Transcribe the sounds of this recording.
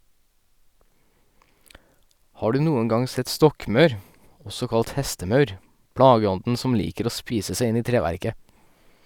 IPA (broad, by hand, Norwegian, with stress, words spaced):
ˈhɑː ˈɖʉː ˈnuːəŋ ˈɡɑŋ ˈsɛt ˈstɔkmœɾ ˈɔsɔ ˈkɑlt ˈhɛstəˌmɑʉɾ ˈpɽɑːɡəˌɔndn̩ ˈsɔm ˈliːkəɾ ˈoː ˈspiːsə ˈsæɪ ˈɪn ˈiː ˈtɾeːʋæɾkə